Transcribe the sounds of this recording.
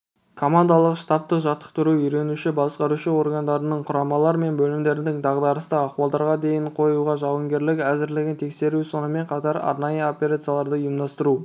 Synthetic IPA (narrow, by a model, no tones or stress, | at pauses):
kʰo̞mand̪alˠəqʃt̪ɑp̚t̪əqʒɑt̪ːə̥qt̪ʊɾuʏjɾe̞nuʃɪbɑsqɑɾuʃɪo̞rɡand̪ɑɾənəɴqʰʊɾɑmɑlˠɑɾəme̞nbɵlɪmd̪e̞ɾɪnd̪ɪŋd̪ɑʁd̪ɑɾəst̪əɑχuɑlˠd̪ɑɾʁɑd̪e̞jɪɴqʰo̞juʁɑʒɑwəŋɡʲe̞ɾlɪkæzɪɾlɪɡʲɪnt̪ʰe̞kse̞ɾuso̞nəme̞ɴqʰɑt̪ɑɾɑ̰ɾnɑjəo̞pʲe̞ɾat̪sɨjalˠɑɾd̪əjʊmd̪ɑst̪əɾu